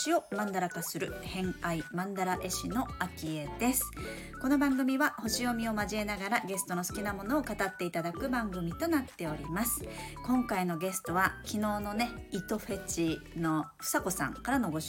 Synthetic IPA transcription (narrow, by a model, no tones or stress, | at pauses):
iomãnd̪aɾakasɨɾɯ̟hẽ̞ŋaimãnd̪aɾaʔe̞ɕino̞akʲie̞d̪e̞sɨ̥ | ko̞no̞bãŋɡɯ̟mʲiβaho̞ɕio̞mʲio̞maʑie̞naɡaɾaɡe̞sɨ̥t̪o̞no̞sɨ̥kʲinamo̞no̞ːkat̪at̪ːe̞it̪ad̪akɯ̟bãŋɡɯ̟mʲit̪o̞nat̪ːe̞o̞ɾʲimasɨ̥kõ̞ŋkaino̞ɡe̞sɨ̥t̪o̞βakʲino̞ːno̞ne̞it̪o̞ɸe̞t͡ɕino̞ɸɯ̟̥sako̞sã̰ŋkaɾano̞ɡo̞ɕ